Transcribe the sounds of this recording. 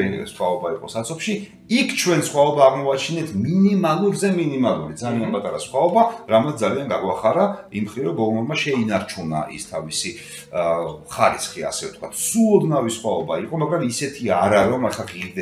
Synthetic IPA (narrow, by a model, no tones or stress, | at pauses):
ḭsχwaɔbaiqʼɔ̰sat̪sʰɔpʃi | ikʰt͡ʃʰwɛnsχwaɔbaːʁmɔat͡ʃʰinɛt̪ʰminimalˠuɾzɛminimalˠuɾid̪zalianpʼat̪ʼaɾasχwaɔbaɾamat̪sd̪alianɡaɡwaχaɾaimχɾiɾɔɡɔɡmɔmaʃɛinaɾt͡ʃʰuna̰ʔḭst̪ʰavisi | χaɾḭsχia̰sɛft̪̚ʰkʰwat̪ʰsuɔd̪navisχwaɔbaiqʼɔmaɡɾamisɛt̪ʰiaɾaɾɔmɛχaʁiɾd̪ɛ